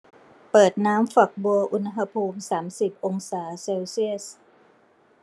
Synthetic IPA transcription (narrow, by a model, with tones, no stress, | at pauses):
pɤː˨˩t̪̚naː˦˥mfa˨˩k̚bu˧ɐʔu˧nɦa˧pʰuː˧msaː˩˦msi˨˩p̚ʔo˧ŋsaː˩˦seː˧wsi˥˩əs